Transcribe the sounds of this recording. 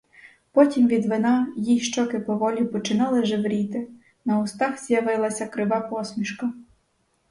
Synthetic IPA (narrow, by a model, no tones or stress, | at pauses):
pɔtʲimʋʲid̪ʋɪnɑjijʃt͡ʃɔkɪpɔʋɔlʲʊpɔt͡ʃɪnɑlˠɪʒɪʋɾʲit̪ɪ | nɐʊst̪ɑxz̥ʲjɐʋɪlˠɐsʲɐkɾɪʋɑpɔsʲmʲiʃkɐ